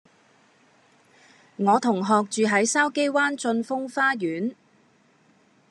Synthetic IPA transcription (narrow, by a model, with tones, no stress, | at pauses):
ŋɔː˨˧t̪ʰʊ˨˩ŋɦɔː˨k̚t͡ʃyː˨ɦɐ˨˥jsaː˥wke˥jwaː˥nt͡sɵ˧nfʊ˥ŋfaː˥jyː˨˥n